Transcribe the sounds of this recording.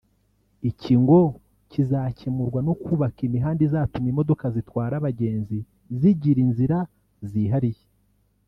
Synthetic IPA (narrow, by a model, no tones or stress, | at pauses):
iciːŋɡo̞ | cizacʰemuɾɡwanokuːβakimiɦaːndizaːtumimo̞do̞kazitwaːɾaβaɟe̞ːnzi | ziɟiɾinziɾa | ziɦaɾije